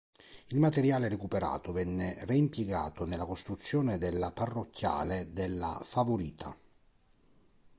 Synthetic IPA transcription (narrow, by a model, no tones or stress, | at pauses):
ilmat̪eɾjaːleɾekupeɾa̰ːt̪ovɛnːereimpjeɡa̰ːt̪onelːakost̪ɾut̪sːjɔːnɪd̪elːaparːokʰːja̰ːled̪elːa̰favoɾiːt̪ʰa̰